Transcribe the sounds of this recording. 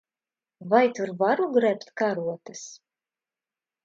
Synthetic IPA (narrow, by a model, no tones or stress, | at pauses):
vajt̪uɾvaɾuɡɾɛpt̪kaɾuɔt̪ɨs